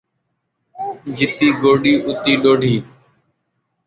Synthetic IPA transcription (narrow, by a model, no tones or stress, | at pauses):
d͡ʒɪt̪iːɡoːɗiːʔʊt̪iːɗoːɖʱiː